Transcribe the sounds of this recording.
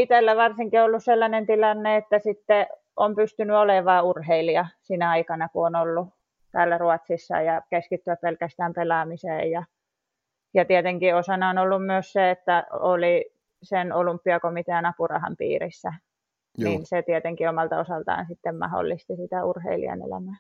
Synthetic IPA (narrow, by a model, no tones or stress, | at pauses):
it̪elːæʋɑrsiŋkiolːusselːɑnent̪ilɑnːeet̪ːæsit̪ːe | ompyst̪ynyoleʋɑːurheiliɑsinæɑikɑnɑkuonolːu | t̪æːlːæruɑt̪sisːɑ̰jɑkeskit̪ːyæppelkæst̪æːmpelɑmisḛːjjɑ | jɑt̪iɛt̪eŋkiosɑnɑonolːummyøsseet̪ːæoli | senolympːiɑkomit̪eɑnɑpurɑ̰hɑ̰mpḭːrisːæ | nninset̪iet̪eŋkiomɑlt̪ɑosɑlt̪ɑ̰ːnsit̪ːemmɑ̰ho̰lːist̪isit̪æurhḛilḭɑ̰nḛlæ̰mæː